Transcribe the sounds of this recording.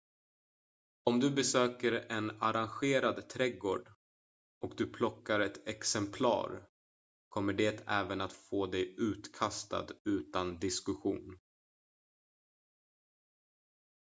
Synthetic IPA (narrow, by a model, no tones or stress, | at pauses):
ɔmd̪ɵbɛsøːkəɾɛnaɾanɧeːɾad̪t̪ʰɾɛɡoːɖ | ɔkd̪ɵpʰlɔkːaɾɛt̪ɛksɛmpʰlɑ̰ːɾ | kʰɔmːəɖeːt̪ʰɛːvənat̪foːd̪ɛjʉ̟ːt̪kʰast̪a̰d̪ʉ̟ːt̪and̪ɪskɵɧṵːn